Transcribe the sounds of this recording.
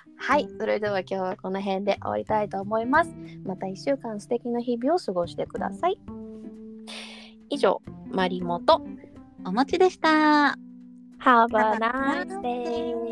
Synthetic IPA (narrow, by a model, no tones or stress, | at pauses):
haiso̞ɾe̞d̪e̞β̞akʲo̞ːβ̞ako̞no̞ɦẽ̞nd̪e̞ʔo̰a̰ɾʲit̪ait̪o̞ːmo̞imasɨ̥mat̪aiɕːɨːkãɰ̃sɨ̥t̪e̞kʲinaçibʲio̞sɨɡo̞ɕi̥t̪e̞kɯ̟d̪a̰sai | iʑo̞̰ːmaɾʲimo̞t̪o̞ | omat͡ɕid̪e̞ɕi̥t̪a | habanae